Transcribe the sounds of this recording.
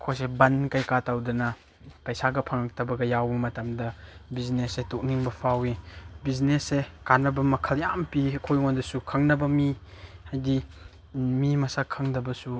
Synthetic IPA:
kʰojsebɐnkajkatawdɐnɐ | pɐjsaɡɐpʰɐŋɐk̚tɐbɐɡɐjawbɐmɐtɐmdɐbiznesetok̚niŋbɐpʰawibiznesekanɐbɐmɐkʰɐljampiɐkʰojŋondɐsukʰɐŋnɐbɐmihajdi | mimɐsakʰːɐŋdɐbɐsu

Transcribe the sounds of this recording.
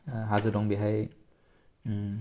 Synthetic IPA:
ɦazɯdɔŋbiɦaj

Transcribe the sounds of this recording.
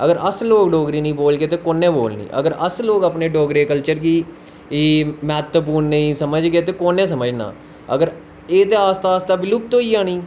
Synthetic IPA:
əɡəɾəsloːɡɖoːɡɾiːnĩːboːlɡeːt̪eːkoːnẽːboːlnḭːʔə̰ɡəɾə̰sloːɡəpneːɖoːɡɾeːkəlt͡ʃəɾɡiː | iːmɛːt̪əp̬uːɾnəĩːsəməd͡ʒɡeːt̪eːkoːnẽːsəməd͡ʒna̰ː | ə̰ɡəɾ | eːt̪eːaːst̪aːst̪aːbɪlub̚t̪õːiːaːniː

